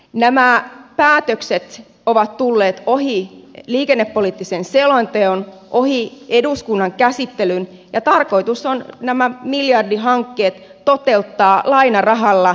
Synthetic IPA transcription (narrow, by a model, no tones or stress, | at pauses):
næmæpæːt̪økset̪ | oʋɑt̪tulːeːt̪oɦiliːkenːepːolit̪ːisenselont̪eonʔohieduskunːɑŋkæsit̪ːelyn | jɑt̪ɑrko̞it̪usonnæmæmiljɑrdiɦɑŋkːeːt̪ːot̪e̞lt̪ːɑːlɑinɑrɑɦɑlːɑ